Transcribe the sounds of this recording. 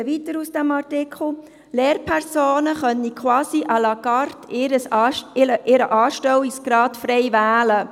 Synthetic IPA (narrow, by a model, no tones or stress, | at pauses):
ʋitəɾusd̥ɛmɑrtɪkʰl̩ | leːrpʰɛɾsoːnəχœnikʰwɑːsiʔɑlɑɡɑɾtʰɪɾəsəʔɪɾəʔɑːʃtɛwiksɡ̥ɾɑːtfɾɛɪvæːlə